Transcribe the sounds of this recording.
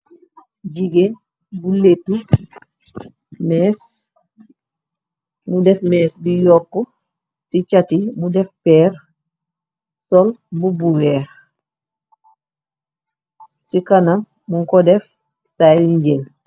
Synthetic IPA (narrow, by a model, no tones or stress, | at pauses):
ɟiɡe | buletu | mɛs | mudɛfmɛːsbijɔkːɔ | sit͡ʃatimudɛfpɛːɾ | sɔlbubuwɛːx | sikana | muŋkɔdɛf | saiɲɟel